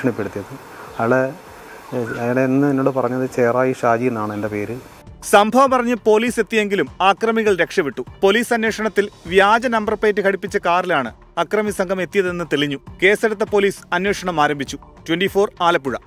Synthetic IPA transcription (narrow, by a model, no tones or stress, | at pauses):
ɐɳipːeɽut̪ːijɐðɨ | ɐʋiɭe | ɐŋːɐɽeinːɨenːoːɽɨpɐrɐɲːɐðɨt͡ɕeːraːjiʂaːd͡ʑijenːaːɳɨende̞peːɾɨ | sɐmbʱɐʋɐmpɐrɐɲːɨpo̞ːliːse̞t̪ːije̞ŋɡilumaːkrɐmiɣɐɭɾe̞kʂɐʋiʈːupo̞liːsɐnweːʂɐɳɐt̪ːilʋjaːd͡ʑɐnɐmbɐrpeːt̬ːɨkʰɐɽipːit͡ɕːɐkaːrilaːɳɨ̰ | ɐkrɐmisɐŋɡʰʱɐme̞t̪ːijɐðe̞nːɨt̪eɭiɲːuke̞ːseɽut̪ːɐpo̞ːliːsɐnweːʂɐɳɐmaːɾɐmbʱit͡ɕːu | twenɖifo̞ːraːlɐpːuɻɐ